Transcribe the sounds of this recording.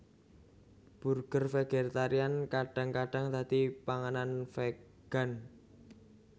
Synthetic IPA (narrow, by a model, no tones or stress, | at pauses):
b̥urɡ̥ərfeɡ̥ert̪aɾiankaɖ̥a̤ŋkaɖ̥a̤ŋt̪at̪ipaŋananfe | ɡ̥a̤n